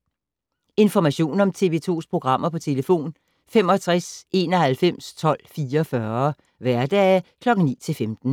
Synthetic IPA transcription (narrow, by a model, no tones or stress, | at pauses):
e̝nfɒmæɕo̝̰ːnɒ̽mt͡sʰe̝ʋe̝ːt͡sʰo̝̰ːspʰʁo̝ɡ̥ʁɑ̈m̰ɐpʰɒ̽t͡sʰe̝ləfo̝̰ːn | femɒ̽t͡sʰʁase̝ːnɒ̽hælfem̰st͡sʰɒ̽l̰fiːɐɒfɶɐ | ʋæɐd̥ɛ̰kʰlɒ̽ɡ̥ŋ̩nḭːt͡sʰe̝lfemd̥n̩